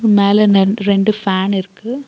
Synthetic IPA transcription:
ɾɯmeːlɛɾɛɳɖɯfaːnɪɾɯkːɯ

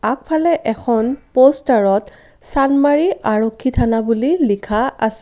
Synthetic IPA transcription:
ak̚pʰalɛʔɛkʰɔnpostaɹɔt | sanmaɹiʔaɹokʰːitʰanabulilikʰaas

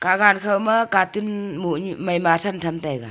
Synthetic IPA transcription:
kaɡankʰawmɐkatunmuɲmajmatʰantʰamtajɡa̰

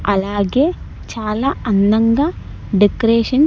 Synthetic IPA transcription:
ɐ̰laːɡe | t͡ɕaːlɐɐnːɐŋɡɐ | ɖikɾeːʂɐn

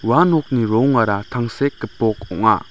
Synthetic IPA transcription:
wanɔk̚niɾɔŋaɾatʰaŋsɛk̚ːəpɔk̚ɔŋa̰

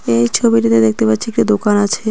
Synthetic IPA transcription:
ejt͡ɕʰobiʈit̪ed̪ek̚ʰt̪epatːɕʰiek̚ʈid̪okanat͡ɕʰe

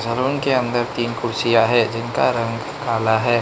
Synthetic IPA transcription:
d͡ʒɐɾoːnkeɐ̃nd̪əɾt̪iːnkʊɾsijaɦɛd͡ʒɪnkaɾɐ̃ŋɡ | kaːlaɦɛː

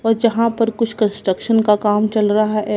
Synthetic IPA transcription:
ɔːɾd͡ʒɐɦãpɐɾkʊt͡ʃʰkə̃nsʈɾəkʃənkakaːmt͡ʃɐlɾɐɦaɦɛ

